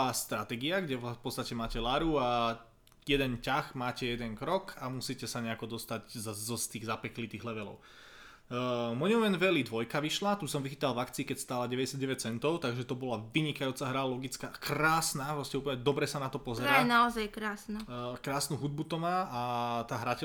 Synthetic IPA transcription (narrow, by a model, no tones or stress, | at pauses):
ast̪ɾat̪ɛɡiaɡɟɛpɔtt͡st̪acɛmaːcɛlaɾua | jɛd̪ɛncaxmaːcɛjɛd̪ɛnkɾɔkʰamusicɛsaɲɛakɔd̪ɔst̪aɟzzɔst̪iːɣzapɛklit̪iːɣlɛʋɛlɔ̰ʊ | mɔɲɔʋɛnʋɛlid̪ʋɔjkaʋiʃlat̪uːsɔmʋixiːt̪alvakt͡siːkɛcst̪aːlaɟɛʋɛɟɛsjad̪ɟɛʋɛc̚t͡sɛnt̪ɔʊt̪aɡʒɛt̪ɔbɔlaʋiɲikajuːt͡saɦɾalɔɡit͡skaːkɾaːsnapɾɔscɛuːpl̩ɲɛd̪ɔbɾɛsanat̪ɔpɔzɛɾɾaːnaɔzajkɾaːsnakɾaːsnuɦud̪̚but̪ɔmaːʔat̪aːɦɾacɛ